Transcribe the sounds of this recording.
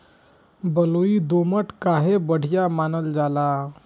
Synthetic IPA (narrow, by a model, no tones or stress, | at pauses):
bəloid̪oməʈkaɦebəɽ̤ijamanəld͡zala